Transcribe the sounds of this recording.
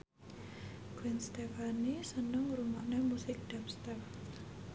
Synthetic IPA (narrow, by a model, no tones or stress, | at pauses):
ɡ̥wɪnst̪efanisənəŋɾumaʔnɛmusɪk̚d̥apst̪ɛr